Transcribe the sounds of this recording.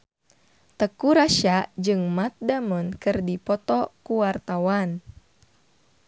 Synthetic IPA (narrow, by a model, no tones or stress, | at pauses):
t̪əkuɾaʃaʔd͡ʒɨŋmat̪̚damɔnkɨrdipɔt̪ɔkuwart̪awan